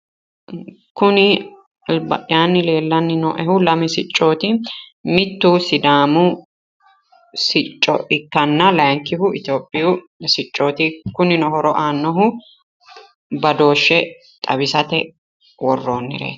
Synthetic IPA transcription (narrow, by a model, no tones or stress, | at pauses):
kʊnɪ | lbɐjaːnːɪle̞ːlːɐnːɪnɔ̰ʔɛhʊlɐmɪsɪt͡ʃʼːo̞ːt̪ɪmɪt̪ːusɪd̪aːmʊ | sɪt͡ʃʼːɔ̰ʔɪkːɐnːɐlɐjŋkːɪhʊɪt̪jo̞ːpʼːɪjʊ | sɪt͡ʃʼːo̞ːt̪ɪkʊnɪnɔhɔɾɔʔaːnːɔɦʊ | bɐd̪o̞ːʃːɛ | t̪ʼɐbɪsɐt̪ɛ | wɔrːo̞ːnːɪ̰ɾḛːt̪